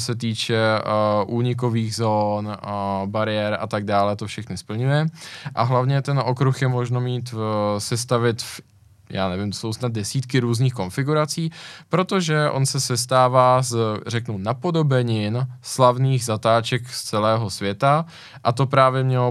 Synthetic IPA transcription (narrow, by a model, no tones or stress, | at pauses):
sɛt̪̬iːt͡ʃɛʔuːɲɪk̬o̞viːɣzoːnbaɾɪjɛɾa̰t̪aɡ̚daːlɛt̪ofʃɛxnɪspl̩ɲujɛʔa̰ɦlavɲɛt̪ɛnʔo̞kɾuxjɛmo̞ʒno̞miːt̪sɛst̪avɪt̪ | jaːnɛvɪmt̪o̥so̞wsnad̪̚dɛsiːt̪kɪɾuːzniːxko̞nfɪɡuɾat͡siːpɾo̞t̪o̞ʒɛʔo̞̰nsɛsɛst̪aːvaːzrɛknunapo̞do̞bɛɲɪnslavniːɣzat̪aːt͡ʃɛkst͡sɛlɛːɦo̞svʲjɛt̪a | ʔat̪o̞pɾaːvjɛmɲɛlo